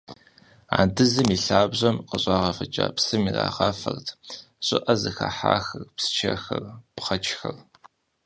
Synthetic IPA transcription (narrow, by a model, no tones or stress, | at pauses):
aːndɨzɨmiːɬaːbʑʷɐmqəɕʼɑːʁɐfɐt͡ʃʼaːpsɨmira̰ːʁɑːfɐrtʰ | ɕʼɪʔɐzɨxɐħaːxɐrpsɨ̥t͡ʃʰɐxɐrpχɐt͡ʃʰʼxɐr